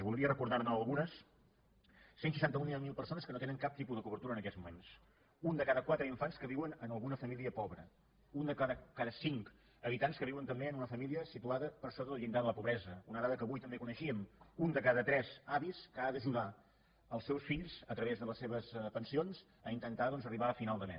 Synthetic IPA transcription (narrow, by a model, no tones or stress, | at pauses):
zβulˠɾiərəkuɾðaɾnəːlˠɣunəs | sensə̥ʃant̪əuniamːilˠpəɾsonəskənot̪enəŋkap̚t̪ipuðəkuβəɾt̪uɾənəkɛzmumens | und̪əkaðəkwat̪ɾəiɱfanskəβiwənənəlˠɣunəfəmiliəpɔβɾə̰ | und̪əkðəkaðəsiŋk | əβit̪anskəβiwənt̪əmbeənunəfəmiliəsit̪uaðəpəɾsoðələʎind̪aðələpuβɾɛzəunəðaðəkəβujt̪əmbekunəʃiəmund̪əkaðət̪ɾɛzaβiskəad̪əʒuða | əlˠsɛwsfiʎzət̪ɾəβezðələsːeβəspənsionz | əint̪ənt̪aðɔnzəriβaəfinalˠd̪əmɛ̰